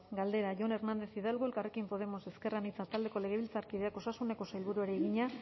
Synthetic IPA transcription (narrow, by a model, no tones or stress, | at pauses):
ɡald̪e̞ɾaʝo̞ne̞ɾnand̪e̞θiðelɣoelkarekimpo̞ð̞e̞mo̞se̞ske̞ranit͡sat̪ald̪e̞ko̞le̞ɣ̞e̞β̞ilt͡saɾkiðe̞ako̞sasune̞ko̞sajlβuɾue̞ɾeːɣiɲa